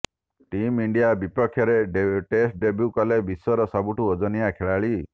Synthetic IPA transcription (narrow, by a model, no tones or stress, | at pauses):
ʈimiɳɖijabipɔkʰːjɔɾeʈesʈ̚ɖebjukɔlebisɔɾɔsɔbuʈuɔd͡ʒɔnijakʰeɭaɭi